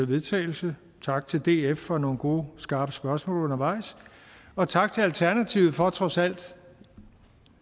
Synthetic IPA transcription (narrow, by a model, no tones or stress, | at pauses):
ʋe̝ðˠt͡sʰɛ̰ːɪl̩sə | t͡sʰɑ̈ɡ̥̚t͡sʰe̝ld̥e̝̰efːɒ̽no̝ːn̩ɡ̥o̝ːsɡ̥ɑ̈ːb̥əsb̥ɶɐsmɔ̰̽ːlɔ̽nɐʋɑ̈ɪ̰s | ɒ̽t͡sʰɑ̈ɡ̥t͡sʰe̝ælt͡sʰæɐnæt͡sʰiʊð̩ˠfɒ̽t͡sʰʁɒ̽sæl̰d̥